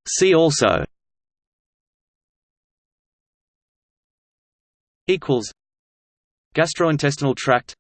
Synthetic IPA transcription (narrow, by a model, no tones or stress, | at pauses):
siːɔˑlˠsə̰ʊ | iˑkʰwəlˠz̥ | ɡ̥æstɹ̥əʊɪ̃ntʰɛs̬tənəl̩ˠtʰɹ̥æk̚t